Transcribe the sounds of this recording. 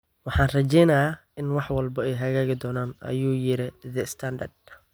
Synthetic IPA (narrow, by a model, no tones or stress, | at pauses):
wɑħɑːnrɐt͡ʃɛjnɐja | ɪnwɑħwɑlbɐɛjɦɐɣaːɣɪd̪ɔːnaːnʔɐ̰juːjɪɾɪðɛst̪ʰand̪ɐrd̪